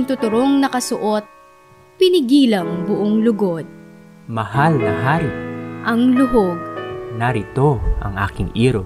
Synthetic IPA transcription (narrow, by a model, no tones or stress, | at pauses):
ŋt̪ʊt̪ʊɾoŋnɐkɐsʊʔot̪̚ | pɪnɪɡiːlɐŋbʊʔoŋlʊɡo̞d̪̚ | mɐhalnɐɦaːɾɪʔɐŋlʊɦoɡ̚nɐɾɪt̪o̞ʔɐ̰ŋʔa̰ːkɪŋʔiːɾo